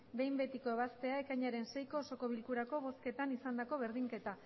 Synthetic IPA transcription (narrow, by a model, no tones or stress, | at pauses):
be̞jmbe̞t̪iko̞e̞βast̪e̞ae̞kaɲaɾe̞nsejko̞ːso̞ko̞β̞ilkuɾako̞βo̞ske̞t̪anisand̪ako̞βe̞ɾðiŋke̞t̪a